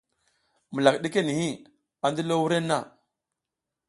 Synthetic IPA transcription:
m˨la˨kɗe˦ke˦ni˨hi˦ | a˨ndi˦lo˦wu˦ɾe˦nːa˦˨

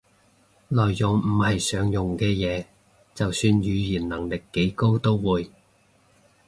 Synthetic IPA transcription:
lɔː˨jːʊ˨˩ŋm̩˨˩hɐ˨jsœː˨˥ŋjʊ˨ŋkɛː˧jɛː˨˧ | t͡sɐ˨wsyː˧njyː˨˧jiː˨˩nnɐ˨˩ŋlɪ˨kːe˨˥jko˥wt̪o˥wwuː˨˧j

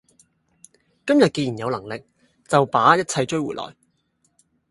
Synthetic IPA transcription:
kɐ˥mjɐ˨t̚ke˧jiː˨˩njɐ˨˧wlɐ˨˩ŋlɪ˨k̚ | t͡sɐ˨wpaː˨˥jɐ˥t̚t͡sʰɐ˧jt͡ʃɵ˥ɥwuː˨˩lɔ̰ː˨˩j

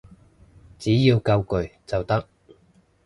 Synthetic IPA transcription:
t͡siː˨˥jiː˧wkɐ˧wkɵ˨ɥt͡sɐ˨wt̪ɐ˥k̚

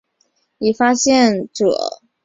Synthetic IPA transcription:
ni˨˩fa˥ɕjɛ˥˨nʈ͡ʂṵ˨˩˦

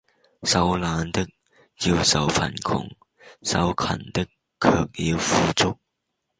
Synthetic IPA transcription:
sɐ˨˥wlaː˨˧nt̪ɪ˥k̚ | ji˧wsɐ˨wpʰɐ̰˨˩nkʰʊ̰˨˩ŋ | sɐ̰˨˥wkʰɐ̰˨˩nt̪ɪ˥kʰː | œː˧k̚jiː˨˧wfuː˨˧t͡sʊ˥k̚

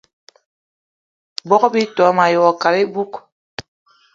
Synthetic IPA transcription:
bɔ˦kbi˦tɔ˨˦ma˨jɔ˨ɔ˨ka˨ɾe˦bu˦k

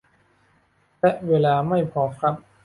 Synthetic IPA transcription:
t̪ɛ˦˥ʔweː˧laː˧ma˥˩jpʰɔː˩˦kʰɾa˦˥p̚

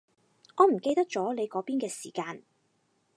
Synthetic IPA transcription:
ŋɔː˨˧m̩˨˩ke˧jt̪ɐ˥k̚t͡ʃɔː˨˥le˨˧jkɔː˨˥piː˥nkɛː˧siː˨˩kaː˧n

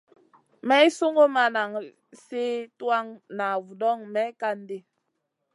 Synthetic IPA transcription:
mɛ˦i˦so˦ŋɡo˦ma˦na˨ŋ | se˦twa˦ŋna˨vu˨dɔ˦˨ŋmɛ˦ka˦n˦de˦

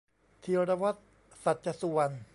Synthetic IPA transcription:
t̪ʰi˧ɾa˧wa˦˥t̪̚ | sa˨˩t̪̚t͡ɕa˧su˨˧ən

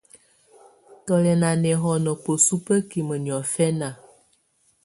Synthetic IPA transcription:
tɔ˨lɛ˨na˨nɛ˨ɦɔ˨nə˨k͡po˨su˦pə˦ki˨mə˨ni˨ɔ˨fɛ˦na˨

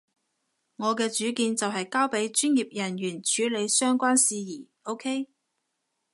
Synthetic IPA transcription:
ŋɔː˨˧kɛː˧t͡ʃyː˨˥kiː˧nt͡sɐ˨wɦɐ˨jkaː˥wpe˨˥jt͡ʃyː˥njiː˨p̚jɐ˨˩njyː˨˩nt͡ʃʰyː˨˥le˨˧jsœː˥ŋkʷaː˥nsiː˧jiː˨˩ | o˥wkʰe˥j

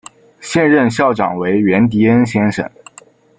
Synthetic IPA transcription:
ɕjɛ˥˧nɻə˥˧nɕjɑ˥˩ʊʈ͡ʂɑ̰˨˩ŋwe˧˥ɪɥɛ˧˥nt̪̬i˧˥ə˥nɕjɛ˥nʂə̰˨˩ŋ

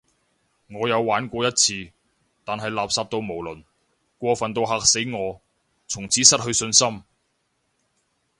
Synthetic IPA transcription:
ŋɔː˨˧jɐ˨˧wwaː˨˥nkʷɔː˧jɐ˥t̚t͡sʰiː˧ | t̪aː˨nɦɐ˨jlaː˨p̚saː˧p̚t̪o˧wmo˨˩wlɵ˨˩n | kʷɔː˧fɐ˨nt̪o˧wɦaː˨k̚se˨˥jŋɔː˨˧ | t͡sʰʊ˨˩ŋt͡sʰiː˨˥sɐ˥t̚hɵ˧ɥsɵ˧nsɐ˥m

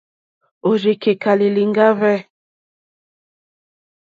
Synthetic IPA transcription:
o˨d͡ʒe˨ke˨ka˨li˨li˨ŋɡa˦vɛ˦

